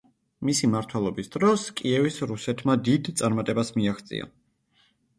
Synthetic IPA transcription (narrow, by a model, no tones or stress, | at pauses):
misimaɾt̪ʰwɛlˠɔbisd̪ɾɔskʼiɛvisɾusɛt̪ʰmad̪id̪t̪sʼaɾmat̪ʼɛbasmiaχt̪sʼḭa̰